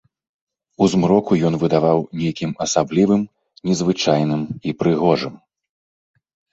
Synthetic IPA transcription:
uzmɾɔkujɔnvɨd̪avawnʲejkʲimɐsablʲivɨm | nʲɛzvɨt͡ʂajnɨmipɾɨɣɔʐɨm

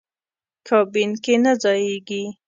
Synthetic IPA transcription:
kʰɑbinkenad͡zɑjeɡi

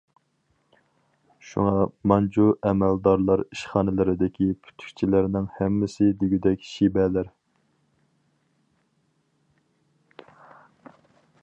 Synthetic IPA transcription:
ʃṵŋɑmɑnd͡ʒuɛmɛld̪ɑɾlˠɑɾiʃχɑːnɪlɨɾɪd̪ɪkʲʰipʰy̥t̪ʰy̥kʲt͡ʃʰilɪɾnɪŋhɛmːɪsɪd̪yɡʲyd̪ɛkʲʃibɛlæɾ

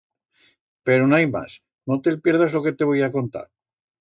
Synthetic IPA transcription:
pe̞ɾonajma̰s | not̪elpje̞ɾðazlo̞ke̞t̪e̞βojako̞nt̪a̰ɾ

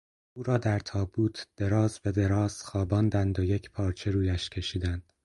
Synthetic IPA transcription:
uːɾɒːd̪æɾt̪ʰɒːbuːt̪ʰd̪̥e̞ɾɒːzbe̞d̪e̞ɾɒːz̥xɒːbɒːnd̪ænd̪ojecʰpʰɒːɾt͡ʃʰe̞ɾuːjæʃcʰe̞ʃiːd̪ænd̪̥

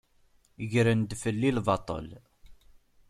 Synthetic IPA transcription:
ʝɾənd̪fəlːilvɑt̪ˤə̰l

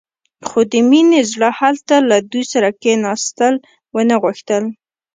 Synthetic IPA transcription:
xod̪əminezɽəhalt̪alad̪ujsaɾakenɑst̪əl | wənəɣuxt̪əl

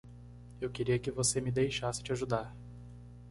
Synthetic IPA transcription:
ewkeɾiɐkɪvosemɪd̪ejʃasɪ̥t͡ʃɪaʒud̪aɾ

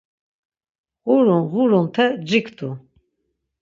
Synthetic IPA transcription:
ʁuɾunʁuɾunt̪ʰɛd͡ʒikʰd̪ʰu

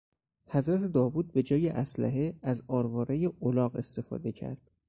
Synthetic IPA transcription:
hæzɾæt̪ʰe̞d̪ɒːvuːd̪̚be̞d͡ʒɒːjeʔæslæ̰ɦeæzɒːɾvɒːɾejeolɒːɣe̞̰st̪e̞fɒ̰ːd̪e̞cʰæ̰ɾd̪̥

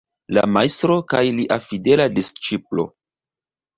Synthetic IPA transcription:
la̰majstɾo̞kajliʔafide̞ladist͡ʃiplo̞̰

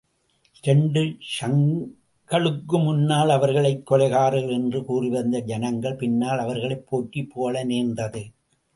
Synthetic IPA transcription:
ʔɪɾɐɳɖɯsɐŋ | ɡɐɭɯkːɯmʊnːaːlɐʋɐɾɣɐɭɐɪkːɔɭɐɪɣaːɾɯlɛndrɯkuːrɪʋɐnd̪ɐd͡ʒɐnɐŋɡɐɭpɪnːaːlɐʋɐɾɣɐɭɐɪpːoːʈːipːoːlɐneːndɐðɯ

